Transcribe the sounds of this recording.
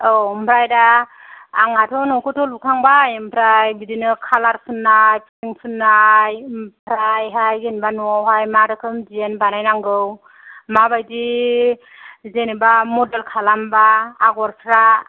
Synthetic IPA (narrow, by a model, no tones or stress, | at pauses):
ɔmpʰɾajdaː | ŋatʰɔnɔkɯtʰɔlukʰaŋbajɯmpʰɾajbidinɯkʰalaɾpʰɯnːajpʰɯsiŋpʰɯnːajpʰɾajɦajɡɯnibanuawɦajmaɾɯkʰɯmdienbanajnaŋɡɯw | mabajdi | zenibamɔdelkʰalambaːɡɔɾpʰɾa